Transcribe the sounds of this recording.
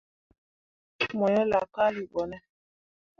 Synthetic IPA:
mɔ˨ɲɔ˦la˨ka˦li˨ɓɔ˨nɛ˦

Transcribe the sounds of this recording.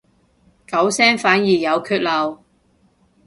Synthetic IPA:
kɐ˨˥wsɛː˥ŋfaː˨˥njiː˨˩jɐ˨˧wkʰyː˥t̚lɐ˨w

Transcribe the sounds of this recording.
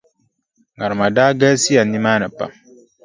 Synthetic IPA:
ŋa˨ɾma˨daː˦ɡɛː˦si˦a˨nːi˦ma˦nə˨pa̰˨

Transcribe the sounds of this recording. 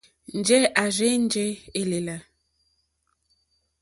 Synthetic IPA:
n̩˨d͡ʒɛ˦ʔa˨ze˦n˦d͡ʒɛ˦e˨le˨la˨

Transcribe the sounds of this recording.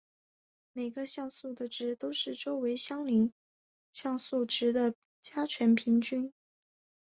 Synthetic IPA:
me˨˩ɪɡə˦ɕjɑ˥˧ʊsu˥˩d̪ə˩ʈ͡ʂɻ̩˧˥t̪o˥ʊʂɻ̩˥˩ʈ͡ʂo˥ʊwe˧˥ɪɕjɑ˥ŋli˧˥ŋ | ɕjɑ˥˧ŋsu˥˩ʈ͡ʂɻ̩˧˥d̪ə˨ | t͡ɕja˥t͡ɕʰɥɛ˧˥npʰi˧˥ŋt͡ɕy˥n

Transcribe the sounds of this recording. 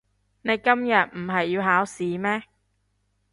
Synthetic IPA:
ne˨˧jkɐ˥mjɐ˨t̚m̩˨˩ɦɐ˨jːiː˧wɦaː˨˥wsiː˨˥mɛː˥

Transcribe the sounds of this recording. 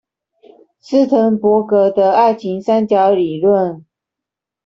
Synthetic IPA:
sɹ̩˥˩t̪ʰə˧˦ŋpwɔ˧˥kɤ˧˥d̪ə˧a˥˩ɪt͡ɕʰi˧˥ŋsa˥nt͡ɕjɑ˧˥ʊli˨˩lwə˥˨n

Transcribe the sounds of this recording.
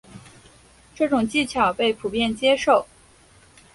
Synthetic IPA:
ʈ͡ʂɤ˥˩ʈ͡ʂʊ˨˩ŋt͡ɕi˥˩t͡ɕʰjɑ˨˩ʊpe˥˩ɪpʰu˨˩pjɛ˥˩nt͡ɕjɛ˥ʂo˥˩ʊ

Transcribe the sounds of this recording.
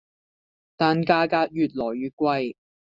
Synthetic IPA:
t̪aː˨nkaː˧kaː˧t̚jyː˨˧t̚lɔː˨˩jːyː˨˧t̚kʷɐ˧j

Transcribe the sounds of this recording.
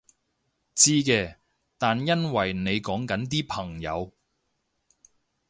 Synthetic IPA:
t͡siː˥kɛː˧ | t̪aː˨njɐ˥nwɐ˨˩jne˨˧jkɔː˨˥ŋkɐ˨˥nt̪̬iː˥pʰɐ˨˩ŋjɐ̰˨˧w

